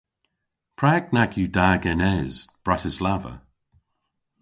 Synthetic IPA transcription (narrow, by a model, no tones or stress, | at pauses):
pʰɹak̚naɡjudaːɡɛnɛz̥b̥ɹatʰɪslavə̰